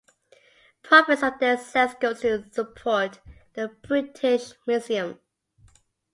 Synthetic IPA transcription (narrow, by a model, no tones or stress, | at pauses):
pʰəpəsəðəsɛsɡoʊtʰəsəpʰɔˑtðəb̥ɹɪtʰɪʃmjuziə̃m